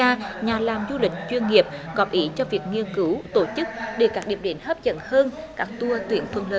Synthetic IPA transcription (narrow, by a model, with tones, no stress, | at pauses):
aː˧ɲaː˨˩laː˨˩mzu˧lï˨˩k̟̚t͡ɕwi˧ənŋi˨˩əp̚ɣɔ˨˦˥p̚ʔi˨˦t͡ɕɔ˧vi˨˩ək̚ŋi˧ənkɨ˨˦wt̪o˧˩t͡ɕɨ˦˥k̚ɗe˧˩kaː˦˥k̚ɗi˨˩əmɗe˨˦nhəː˦˥p̚t͡ɕə̰˧˥nhəː˧nkaː˦˥k̚t̪u˧ət̪wḭ˨˧˩ənt̪ʰwɨ˧ənlə̰ː˧